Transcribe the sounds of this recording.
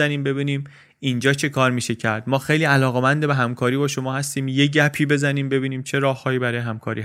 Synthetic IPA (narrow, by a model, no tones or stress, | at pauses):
æniːmbe̞βiːniːm | ind͡ʒɒːt͡ʃʰe̞kʰɒːɾmiːʃe̞cʰæɾd̪̥mɒːxejliːælɒːɣemænd̪ebeɦæmkʰɒːɾiːbɒːʃo̞mɒːhæst̪iːmje̞ɟæpʰiːbe̞zæniːmbe̞biːniːmt͡ʃʰe̞ɾɒːhːɒːiːbæɾɒːjeɦæmkʰɒːɾḭːh